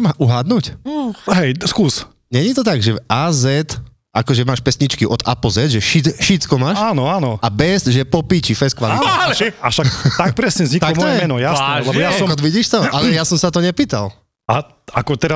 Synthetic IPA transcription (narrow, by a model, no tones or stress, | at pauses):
maʔuɦaːd̪nucɦɛjskuːs | ɲɛɲit̪ɔt̪aɡʒɛaːzɛt̪ | akɔʒɛmaːʃpɛsɲit͡ʃkiʔɔd̪a̰plzɛd̪ʒɛʃiʃit͡skɔmaːʃaːnɔaːnɔabɛzʒɛpɔpit͡ʃifɛskʋalit̪aaʃakt̪ak̚pɾɛsɲɛvzɲikt̪akkmɔɔjɛmɛnɔjaslɛbɔjasɔkɔd̪ʋiɟiːʃt̪ɔʔalɛjasɔmsat̪̬ɔɲɛpiːt̪a̰l | a | akɔt̪ɛɾa